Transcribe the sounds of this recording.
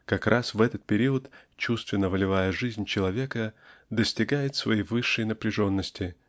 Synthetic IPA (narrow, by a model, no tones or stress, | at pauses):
kɐkrʔasvɛt̪ət̪̚pʲɪɾʲiət̪t͡ɕust̪vʲɪnːəvəlʲɪvajəʐɨzʲnʲt͡ɕɪlˠɐvʲe̞kəd̪əsʲtʲɪɡajɪt̪svɐ̰jijvɨʂːɨjnəpɾʲɪʐo̞nːəsʲtʲɪ